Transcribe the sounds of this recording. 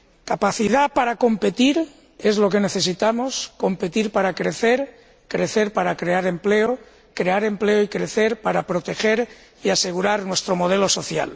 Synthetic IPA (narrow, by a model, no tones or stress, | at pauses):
kapaθið̞apaɾako̞mpe̞t̪iɾ | e̞zlo̞ke̞ne̞θe̞s̬it̪amosko̞mpe̞t̪iɾpaɾakɾeθe̞ɾ | kɾeθe̞ɾpaɾakɾe̞aɾe̞mpleo | kɾe̞aɾe̞mpleoikɾe̞θe̞ɾpaɾapɾo̞t̪e̞xe̞ɾ | iase̞ɣ̞uɾaɾnwest̪ɾo̞mo̞ð̞e̞lo̞so̞θja̰l